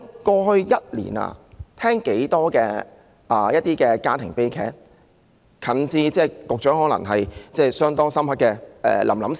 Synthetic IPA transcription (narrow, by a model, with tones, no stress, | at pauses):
kɔː˧hɵ˧ɥjɐ˥t̚lḭː˨˩na̰ː˧t̪ʰɛː˥ŋke˨˥jt̪ɔː˥kɛː˧ | ʔaː˨˩jɐ˥t̚t̪ːiː˥kɛː˧kaː˥t̪ʰɪ˨˩ŋpe˥jkʰɛː˥t̚ | kʰɐ˨˩nt͡siː˧t͡sɛː˥˩kʊ˨k̚t͡ʃœː˨˥ŋɦɔː˨˥lɐ̰˨˩ŋɦɐ˨jt͡sɛː˥˩sœː˥ŋt̪ɔː˥ŋsɐ˥mhɐ˥kːɛː˧ʔɛ̰ː˨lɐ˨˩mlɐ˨˥m